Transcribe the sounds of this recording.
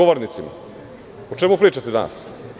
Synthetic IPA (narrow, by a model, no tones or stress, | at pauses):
oʋoɾnit̪sima̰ | ot͡ʃemupɾiːt͡ʃat̪ed̪ana̰s